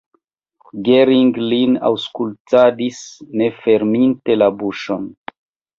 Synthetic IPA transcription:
ɡeɾiŋɡlina̰wskultadisne̞fe̞ɾminte̞labuʃon

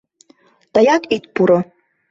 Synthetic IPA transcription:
t̪ajakʼit̪puɾo

